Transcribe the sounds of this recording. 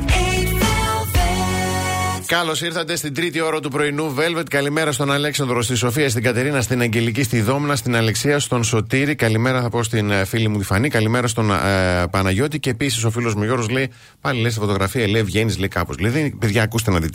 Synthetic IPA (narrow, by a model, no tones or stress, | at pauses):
kɐlo̞siɾθɐt̪e̞st̪ind̪ɾit̪io̞ɾɐt̪upɾo̞inuve̞lve̞t̪kɐlime̞ɾɐst̪o̞nɐle̞ksɐnd̪ɾost̪iso̞fiɐst̪iɡɐt̪e̞ɾinɐst̪inɐɲɟe̞licist̪iðo̞mnɐst̪inɐle̞ksiɐst̪o̞nso̞t̪iɾikɐlime̞ɾɐθɐpo̞st̪infilimut̪ifɐnikɐlime̞ɾɐst̪o̞npɐnɐʝo̞t̪iceːpisi̥s̬o̞filo̞zmuʝo̞ɾɣozle̞i | pɐlilesifo̞t̪o̞ɣɾɐfiɐlevʝe̞nizleikɐpozleiðepeðʝɐːkust̪enɐt̪it̪